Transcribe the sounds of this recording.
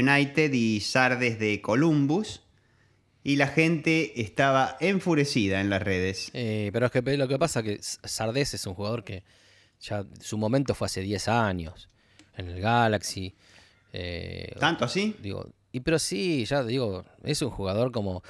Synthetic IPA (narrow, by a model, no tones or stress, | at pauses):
unajt̪eðisaɾðezðekolumbus | ilaxent̪eːst̪aβaʔeɱfuɾesiðaẽnlasreðesipeɾoekepelo̞k̬epasakessaɾðesesuŋxuɣað̞o̞ɾke | ʒ̥asumõ̞mẽnt̪ofwease̞ðjesaɲjo̰s | enelɣalaksi | ḛant̪oasid̪ḭɣo̰ | ipeɾo̞siʒaðiɣo̞esuŋxuɣað̞o̞ɾko̞mo